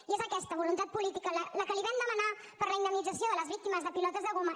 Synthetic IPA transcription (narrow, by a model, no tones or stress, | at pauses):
iezəkɛst̪əβulunt̪at̪̚pulit̪ikəlləkəliβɛmd̪əməna | pəɾləind̪əmid͡zəsioðələzβik̚t̪iməzðəpilɔt̪əzðəɣomə